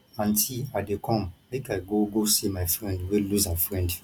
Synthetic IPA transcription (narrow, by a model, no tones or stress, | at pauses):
ãntʰiadekʰɔ̃mmekaɡoɡosimafɹɛ̃ndweluzafɹɛ̃nd